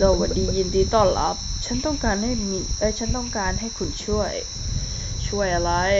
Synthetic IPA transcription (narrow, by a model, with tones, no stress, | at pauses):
doː˧˩wa˨˩diː˧ji˧ndiː˧t̪ɔː˧˩nla̰˧˩p̚t͡ɕʰa˦˥nt̪ɔ˥˩ŋkaː˧nha˥˩jmi˧˩ʔaː˦˥˩t͡ɕʰa˦˥nt̪ɔ˥˩ŋkaː˧nɦa˥˩jkʰu˧nt͡ɕʰu˥˩əj | t͡ɕʰu˥˩əjla˦˥j